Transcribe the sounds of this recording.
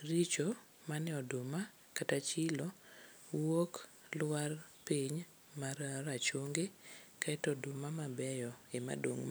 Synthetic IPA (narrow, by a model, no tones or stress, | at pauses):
rit͡ʃo | manɛɔdʊma | katat͡ʃɪlo | wok | lwarpiɲ | maɾaɾat͡ʃoŋɡekaɛtɔdʊmamabɛjɔema̰do̰ŋ